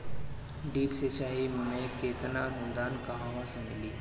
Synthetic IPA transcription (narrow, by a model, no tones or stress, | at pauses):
ɖiːpset͡ʃaːɦimẽkeːt̪naɾʊ̃nd̪aːnkaɦãːʋãsẽmɪliː